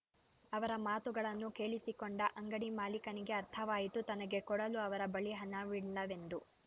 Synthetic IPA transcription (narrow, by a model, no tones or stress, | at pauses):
ɐʋɐɾɐmaːt̪uɡɐɭɐnːuke̞ːɭisikoɳɖɐʔɐŋɡɐɽimaːlikɐniɡe̞ɐɾt̪ʰɐʋaːjit̪ut̪ɐnɐɡe̞kɔɽɐluɐʋɐɾɐbɐɭiɦɐnːɐʋiɽlɐʋe̞nd̪u